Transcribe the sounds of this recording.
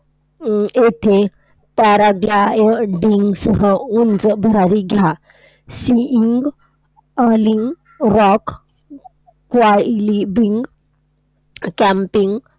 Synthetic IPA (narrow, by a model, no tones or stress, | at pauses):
et̪ʰe | t̪aɾaɡlaeɖiŋɡsəɦəund͡zəbʱəɾaɾiɡʱja | siiŋɡ | əliŋɡ | ɾɔk | kʋalibiŋɡ | kæmpiŋɡ